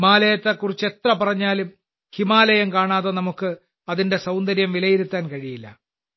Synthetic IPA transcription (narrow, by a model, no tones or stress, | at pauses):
imaːlɐjɐt̪ːekːurit͡ɕːe̞t̪rɐpɐrɐɲːaːlum | himaːlɐjɐmkaːɳaːðɐnɐmukːɨ | ɐðinde̞sɐwnd̪ɐɾjɐmʋilɐjiɾut̪ːaːnkɐɻijilːɐ̰